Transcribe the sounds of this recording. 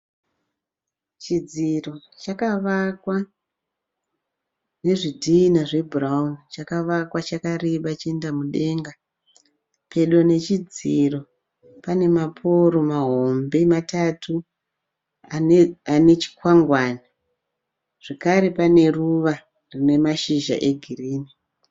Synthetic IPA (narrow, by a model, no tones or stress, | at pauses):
t͡ʃid͡ziro̞t͡ʃakaʋakwa | re̞ʐidʱiːnaʐe̞buraunt͡ʃakaʋakwat͡ʃakariɓat͡ʃie̞ndamuɗe̞ŋɡa | pʰe̞ɗone̞t͡ʃid͡ziro̞ | pane̞mapʰo̞ɾo̞maɦo̞mbe̞matatʰu | ane̞t͡ʃi̥kwaŋɡwana | ʐ̥ekaɾe̞pane̞ruʋa | rine̞maʃiʒa̰ʔe̞ɡʱiriːni